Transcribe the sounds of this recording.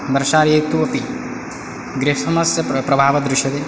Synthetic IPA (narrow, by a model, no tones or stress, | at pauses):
d̪ɐɾʃaːɾjek̚t̪uʋɐpi | ɡɾeɦɐsɐmɐsjɐpɾɐbʱaːʋɐd̪ɾɪʃjɐd̪eː